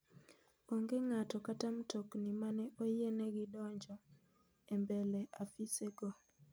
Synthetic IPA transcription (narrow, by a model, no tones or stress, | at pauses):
oŋɡeŋatɔkatamtoknimanɛʔojenɛɡɪdɔɲd͡ʒɔ | embɛlɛʔafiseɡɔ